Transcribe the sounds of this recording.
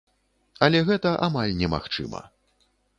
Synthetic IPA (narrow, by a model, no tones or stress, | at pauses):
ɐlʲɛɣɛt̪ɐʔamalʲnʲɛma̰xt͡ʂɨ̰mɐ̰